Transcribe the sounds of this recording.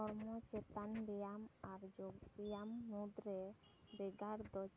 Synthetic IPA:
ɔɾmɔt͡ʃɛt̪anɖɛjamaɾd͡ʒoɡdɛjamːud̪ɾɛ | bɛɡaɾd̪ɔ

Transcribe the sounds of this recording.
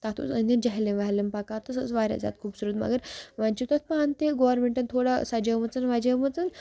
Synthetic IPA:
t̪at̪ʰṵsənd̪id͡ʑaɦleʋaɦlempakat̪əsəsʋaɾʲja̰d͡za̰t̪̚kʰuːbsuɾət̪mɐ̰ɡəɾʋant͡ʃit̪at̪̚paant̪eɡoʋəɾmeɳʈɐnt̪ʰoɽasad͡ʒəmət͡sənʋad͡ʒemət͡sən

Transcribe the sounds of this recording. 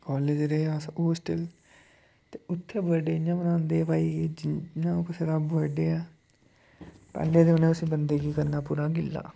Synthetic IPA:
kaːleːd͡ʒɾeːaːsoːsʈəl | t̪eːʊt̪ʰːeːbəːɖeːɪãːbənãːnd̪eːpaːiːd͡ʒɪãːkɪseːɾaːbbəːɖeːaː | pɛ̰ːlːeːd̪eonẽːʊsĩːbənd̪eːɡiːkəɾnaːpuːɾãːɡɪlːa̰ː

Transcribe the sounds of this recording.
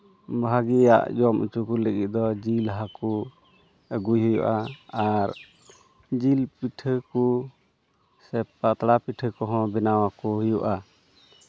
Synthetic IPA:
bʱaɡija̰ʔd͡ʒɔmʔṵt͡ʃukuləɡit̪̚d̪ɔd͡ʒilɦaku | əɡujɦɔjɔ̰ʔaaɾ | d͡ʒilpiʈʰəku | sɛpat̪ɽapiʈʰəkɔɦɔ̃bɛnawakuɦɔjɔʔa

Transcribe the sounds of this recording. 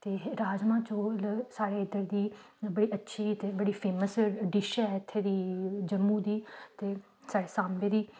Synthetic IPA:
t̪eːɾaːd͡ʒmãːt͡ʃoːlsaːɽeːɪd̪əɾd̪iːbəɽiːətːʃʰiːt̪eːbəɽiːpʰeːməsɖiʃaɪt̪ʰːeːd̪iːd͡ʒəmːũːd̪iːt̪eː | saːɽeːsãːmbeːd̪iː

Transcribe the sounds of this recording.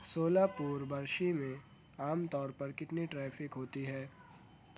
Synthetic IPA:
soːlapuːɾbɐɾʃimẽ | aːmt̪ɔːɾpɐɾkɪt̪niʈɾɛːfɪkɦoːt̪iɦɛː

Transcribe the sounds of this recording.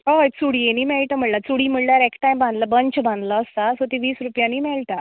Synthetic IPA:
oet͡suɽieniːmɛɭʈ̪əm̤əɭlat͡suɽiːm̤əɭljaɾekʈajmbãnd̪ləbəɲt͡ɕbãnd̪laːst̪asot̪iʋiːsɾupjãniːmɛɭʈ̪a

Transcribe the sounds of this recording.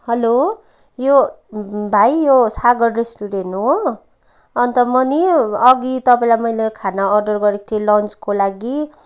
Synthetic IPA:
hʌlo | jo | bʱajjosaɡʌɖresʈuɾenɦo | ʌnt̪ʌmʌniʌɡit̪ʌpaĩlajmʌjlekʰanaːrɖʌrɡʌɾit̪ʰilʌnt͡skolaɡi

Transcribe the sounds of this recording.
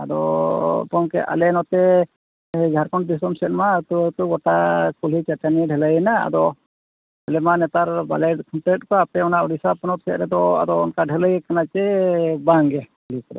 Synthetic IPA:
ad̪ɔ̰pɔŋkɛʔa̰lɛnɔt̪ɛ | ɡʱaɾkɔnbisɾɔmsɛt̪̚mat̪ut̪uɡɔʈakulit͡ʃataniɖʱɛləjɛnaa̰d̪ɔ | alɛmanɛt̪aɾba̰lɛʈ̚kʰɔɳʈɛt̚kɔapɛɔnaʔɔɖisapɔnɔt̪̚sɛt̪̚ɾɛd̪ɔa̰d̪ɔɔ̰nkaɖʱɛləjɛkanat͡ʃɛbaŋɡɛkulikɔd̪ɔ̰

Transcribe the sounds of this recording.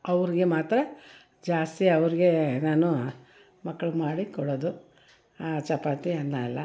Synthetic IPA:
ɐʋɐɾiɡe̞maːt̪ɾɐ | d͡ʒaːst̪iɐʋɐɾiɡe̞naːnu | mɐkːɐɭumaːɽikɔɽoːd̪u | t͡ʃɐpaːt̪iɐnːalːɐ

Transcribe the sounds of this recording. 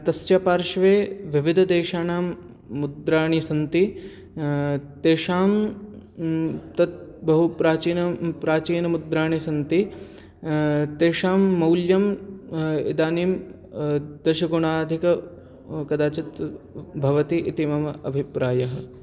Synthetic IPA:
t̪ɐst͡ʃapaːɾʃʋeːʋiʋid̪ʱɐd̪eːʃaːnaːmː | ud̪ɾaːɳisɐnt̪i | t̪eːʃaːm | t̪ɐt̪̚bɐɦupɾaːt͡ʃiːnɐpɾaːt͡ʃiːnɐmud̪ɾaːɳisɐnt̪i | t̪eːʃaːmːɐwljɐm | ḭd̪aːniːm | d̪ɐʃɐɡuɳaːd̪ʱikɐ | kɐd̪aːt͡ʃɐt̪bʱɐʋɐt̪iʔit̪imɐmɐɐ̰bʱipɾaːjɐɦɐ̆

